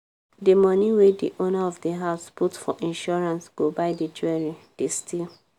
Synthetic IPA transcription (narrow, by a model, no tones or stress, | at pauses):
dimɔ̃niwedḭʔonaɔfdeɦaʊsputfɔʔĩnʃɔɹãnsɡ̥obaɪdid͡ʒuɛɹĩd̥estʰil